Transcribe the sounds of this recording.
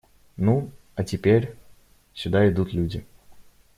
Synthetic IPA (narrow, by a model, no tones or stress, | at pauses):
nu | ɐtʲɪpʲeɾʲ | sʲʊd̪aɪd̪ut̪lʲudʲɪ